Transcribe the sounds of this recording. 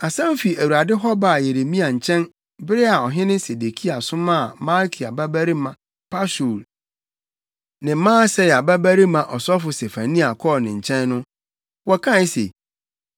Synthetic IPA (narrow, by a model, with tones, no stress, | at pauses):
a˨sã˦m˦fi˨æ˨wu˨ɾa˨dɪ˦ɦɔ˦ba˨je˨ɾe˨mĩ˦a˨ɲ̩˨t͡ɕʰɛ̃˦n | bɪ˦ɾɪ˦a˨ɔ˨ɦɪ̃˦nɪ̃˦se˨de˨kʰi˦a˨sʊ̃˦mã˦˨mã˦lkʰi˨a˨ba˦bæ˦ɾi˦mã˨ | pʰa˦so˨l | nɪ̃˨˦mãː˦sɛ˦ja˨ba˦bæ˦ɾi˦mã˨ʔɔ˨sɔ˦fʊ˨se˨fã˨nĩ˦a˨kʰɔ˦˨lnɪ̃˨ɲ̩˨t͡ɕʰɛ̃˦nːʊ̃˦ | wɔ˦kʰã˦˨˦sḛ˨